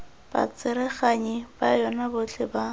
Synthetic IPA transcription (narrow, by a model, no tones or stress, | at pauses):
b̥a̰t͡sɪɾɪχaɲɪb̥ajɔnabʊt͡ɬɪba